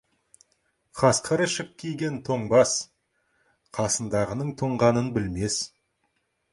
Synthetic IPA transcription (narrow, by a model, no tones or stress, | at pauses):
qʰɑsqʰəɾəʃəp̚kʲʰijɡʲe̞nt̪ʰoɴbɑs | qʰɑsənd̪ɑʁənəɴt̪ʰoɴʁɑnənbɪlme̞s